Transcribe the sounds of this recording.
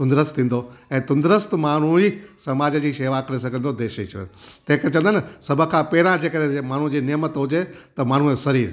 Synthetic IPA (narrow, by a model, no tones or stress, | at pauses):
t̪ʊ̃nd̪ɾəst̪ʰĩːn̆d̪oɛ̃ːt̪ʊ̃nd̪ɾəst̪maːɳ̤uisɐmaːd͡ʑəd͡ʑiːʃeːʋakɐɾes̬ɐɡʱə̃nd̪od̪eːʃit͡ʃʰt̪ɐ̃ɦɪ̃kt͡ɕɐ̃nd̪ansɐbʱə̆kʰãːpɛːɪɾãd͡ʑeːkəɾẽmaːɳ̤ud͡ʑiːnimət̪ɦʊd͡ʑet̪ɐmaːɳ̤ũosɐɾiːɾ